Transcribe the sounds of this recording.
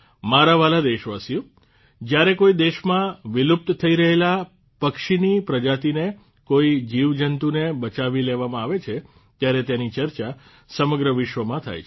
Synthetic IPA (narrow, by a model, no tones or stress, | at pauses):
maɾaʋalad̪eʃʋasjũ | d͡ʒjaɾekoid̪eʃmãʋɪlup̚t̪t̪ʰəiɾəɦela | pəkʃinipɾəd͡ʒat̪ine | koid͡ʒiʋd͡ʒənt̪unebət͡ʃaʋileʋamãaʋet͡ʃʰe | t̪jaɾet̪janit͡ʃəɾt͡ʃa | səməɡɾəʋɪʃʋəmãt̪ʰa̰jt͡ʃʰ